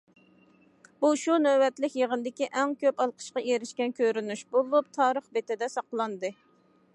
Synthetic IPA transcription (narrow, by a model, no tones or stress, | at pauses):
buʃunøwɛt̪lɪkʲjəʁənd̪ɪkʲiʔɛŋkʲøpɑlˠqʰə̥ʃqɑʔeɾɪʃkʲɛnkʲʰøɾynyʃbolˠup̚t̪ʰɑːɾəχbet̪ɪd̪ɛsɑqlˠɑnd̪ɨ